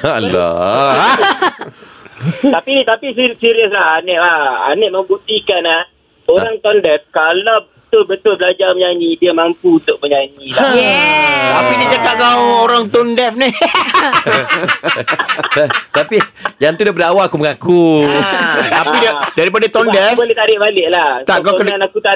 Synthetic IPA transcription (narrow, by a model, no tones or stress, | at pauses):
la̰ | t̪apit̪apisisiɾiəs̬lahanɪʔlaa̰nɪʔ̚məmbut̪ikanah | oɾaŋt̪ɔndɛf̚kalawbət̪ʊlbət̪ʊlbəlad͡ʒaməɲaɲĩdiəmampuunt̪ʊk̚məɲaɲila | t̪apinikat̪aʔkawoɾaŋt̪ɔndɛfni | t̪at̪apijaŋt̪udabəndawaakuməŋaku | t̪apiddaɾip̬adət̪ɔndɛfbolet̪aɾɪʔbalɪʔlaht̪aʔkakənəanakut̪a